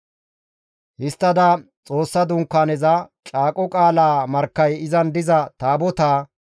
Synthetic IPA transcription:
hɪst̪ːɐd̪ɐ | t͡sʼo̞ːsːɐd̪ʊŋkːaːnɛzɐt͡ʃʼaːkʼɔkʼaːlaːmɐɾkːɐjɪzɐnd̪ɪzɐt̪aːbɔt̪aː

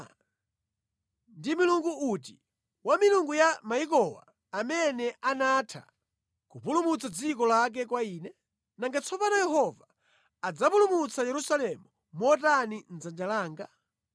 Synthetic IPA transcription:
ndimiluŋɡuut̬i | wamiluŋɡujamaik̬ɔwa̰ː | mɛnɛʔanatʰa̰ | kupulumut͡sʰad͡zikɔlak̬ɛkwaiːnɛ | naŋɡat͡sʰɔpanɔjɛɦɔvaː | d͡zapulumut͡sʰajɛɾusalɛmu | mɔt̬anin̩d͡zand͡ʒalaːŋɡa

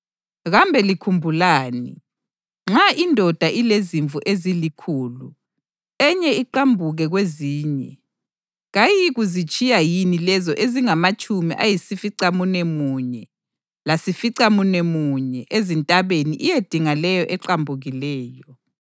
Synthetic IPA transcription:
ɣambʱɛlikʰumbʱulaːnḭ | ŋ͡ǁaʔindʱɔd̥ʱaʔileziɱvʱuʔezilikʰuːlu | ɛɲɛiǃambʱuɣɛɣweziːɲɛ | ɣajiɣuzit͡ʃʼijajinilɛzɔʔeziŋamat͡ʃʼumiʔajisifiǀamunemuɲɛ | lasifiǀamunemuɲɛʔezintʼaβeniʔijed̥ʱiŋalɛjɔʔɛǃambʱuɣilɛːjɔ

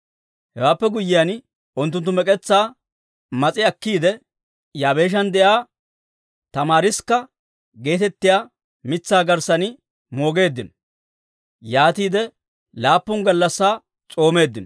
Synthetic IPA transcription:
hɛwaːpːɛɡʊjːɪjɐn | ʊnt̪ːʊnt̪ːʊmɛkʼɛt͡sːaː | mɐt͡sʼɪɐkːiːd̪ɛ | jaːbe̞ːʃ̬ɐnd̪ɛjaː | t̪ɐmaːɾɪskːɐ | ɡe̞ːt̪ɛt̪ːɪjaː | mɪt͡sːaːɡɐɾsɐnɪ | mo̞ːɡe̞ːd̪ːɪnɔ | jaːt̪iːd̪ɛ | laːpːʊŋɡɐlːɐsːaː | t͡sʼo̞ːme̞ːd̪ːɪnɔ

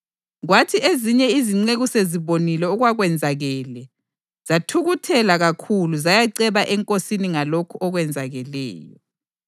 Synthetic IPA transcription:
ɣwatʰieziɲɛiziŋ͡ǀeɣuseziβonilɛuɣwaɣwɛnd͡zʱaɣɛːlɛ | z̥atʰuɣutʰɛlaɣakʰuluzajaǀɛβaʔɛŋkʼosiniŋalokʰuɔɣwɛnd͡zʱaɣɛlɛ̰ːjɔ̰

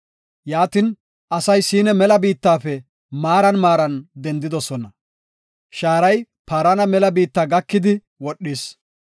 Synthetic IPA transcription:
jaːt̪ɪn | ʔɐsɐjsiːnɛmɛlɐbiːt̪ːaːfɛ | maːɾɐnmaːɾɐnd̪ɛnd̪ɪd̪ɔsɔnɐ | ʃaːɾɐj | paːɾɐnɐmɛlɐbiːt̪ːaːɡɐkːɪd̪ɪ | wɔɗːɪs

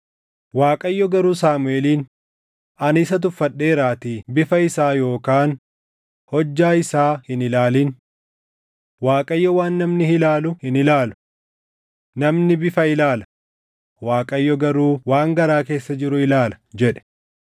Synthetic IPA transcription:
waːkʼɐjːɔɡɐɾuːsaːmʊeːliːn | ɐnɪsɐt̪̬ʊfːɐɗːe̞ːɾaːt̪iːbɪfɐɪsaːjo̞ːkaːn | hɔd͡ʒːaːɪsaːhɪnɪlaːliːn | waːkʼɐjːɔwaːnːɐmnɪhɪlaːlʊhɪnɪlaːlʊ̥ | nɐmnɪbɪfɐɪlaːlɐ̥ | waːkʼɐjːɔɡɐɾuːwaːŋɡɐɾaːke̞ːsːɐd͡ʒɪɾʊɪlaːlɐ̥d͡ʒɛᶑɛ̥

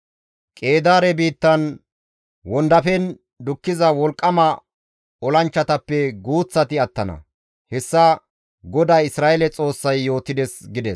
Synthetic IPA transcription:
kʼe̞ːd̪aːɾɛbiːt̪ːɐn | wɔnd̪ɐfɛn | d̪ʊkːɪzɐwɔlkʼːɐmɐ | ɔlɐnt͡ʃːɐt̪ɐpːɛɡuːt͡sːɐt̪ɪɐt̪ːɐnɐ̰ | hɛsːɐ | ɡɔd̪ajɪsɾaːʔɛlɛt͡sʼo̞ːsːɐjːo̞ːt̪ːɪd̪ɛsɡɪd̪ɛs

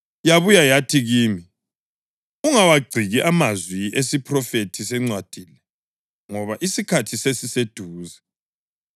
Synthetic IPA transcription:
jaβujajatʰiɣiːmi | uŋawaɡ͡ǀʱiɣiʔamazwiesipʰrɔfetʰisɛŋ͡ǀwad̥ʱiːlɛ | ŋɔβaʔisikʰatʰisesised̥ʱuːzɛ

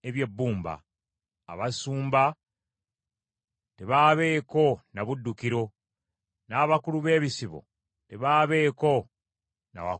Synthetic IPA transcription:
eβje̞bːuːmba̰ː | βasuːmba | teβaːβe̞ːko̞naβudːukiɾo̞ | naːβakuluβe̞ːβisiβo̰ | teβaːβe̞ːko̞ | na̰wa̰

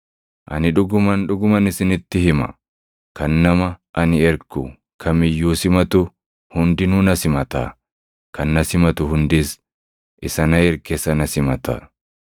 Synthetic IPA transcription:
ʔɐ̰nɪᶑʊɡʊmɐnᶑʊɡʊmɐnɪsɪnɪt̪ːɪhɪmɐ̰ | kɐnːɐmɐʔɐnɪɛɾkːṵ | kʰɐmɪjːuːsɪmɐt̪ʊ | hʊnd̪ɪnunɐsɪmɐt̪a̰ː | kɐnːɐsɪmɐt̪ʊhʊnd̪ɪs | ʔɪsɐnɐɛɾkeːsɐnɐsɪmɐt̪a̰ː

